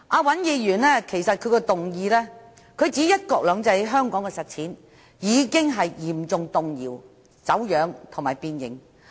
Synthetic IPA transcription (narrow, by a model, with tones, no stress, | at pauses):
ʔaː˨˧wɐ˨˥njiː˧jyː˨˩nlɛː˥kʰe˨˩jsɐ˨t̚kʰɵ˨˧ɥkɔ˧t̪ʊ˨ŋjiː˧lɛː˥ | kʰɵ˨˧ɥt͡siː˨˥jɐ˥t̚kɔː˧k̚lœː˨˧ŋt͡sɐ˧jɦœː˥ŋkɔː˨˥ŋkɛː˧sɐ˨t̚t͡sʰiː˨˥n | jiː˨˧kɪ˥ŋɦɐ˨jjiː˨˩mt͡sʊ˨ŋt̪ʊ˨ŋjiː˨˩w | t͡sɐ˨˥wjœː˨˧ŋt̪ʰŋmaː˨˩jpiː˧njɪ̰˨ŋ